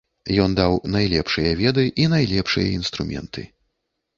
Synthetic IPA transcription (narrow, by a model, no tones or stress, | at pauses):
jɔnd̪awnajlʲɛpʂɨjɐvʲɛd̪ɨʔinajlʲɛpʂɨjɐ̰inst̪ɾumʲɛ̰nt̪ʰɨ̰